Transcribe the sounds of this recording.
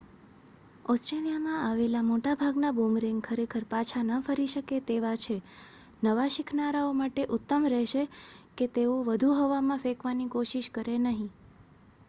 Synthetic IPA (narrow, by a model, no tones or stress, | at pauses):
ɔsʈɾelijamãaʋelamoʈabʱaɡnabomɾeŋɡkʰəɾekʰəɾpat͡ʃʰanəfəɾiʃəket̪eʋat͡ʃʰe | nəʋaʃɪkʰnaɾaomaʈeʔʊt̪ːəmɾɛʃeket̪eoʋəd̪ʱuɦoʋamãfekʋanikoʃiʃkəɾenəɦĩ